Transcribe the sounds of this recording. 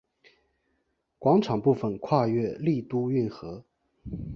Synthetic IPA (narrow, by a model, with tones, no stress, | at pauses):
kwɑ˧˥ŋʈ͡ʂʰɑ˨˩ŋpu˥˩fə˧˩nkʰwa˥˧ɥɛ˥˧li˥˩t̪u˥y˥˩nxɤ˧˥